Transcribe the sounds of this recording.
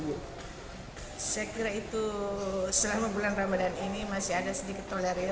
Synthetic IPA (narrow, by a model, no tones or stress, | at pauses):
sajakiɾait̪u | səlamabulanrabadaninimasiɦadasədikɪt̪ːolɛɾi